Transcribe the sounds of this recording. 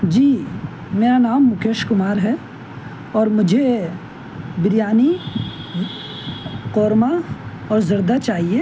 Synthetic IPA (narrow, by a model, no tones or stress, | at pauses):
d͡ʒiː | meːɾanaːmːʊkeːʃkʊmaːɾɦɛ | ɔːɾmʊd͡ʒʱe | bɪɾijaːni | qoːɾma | ɔːɾzɐɾd̪at͡ʃaːɦie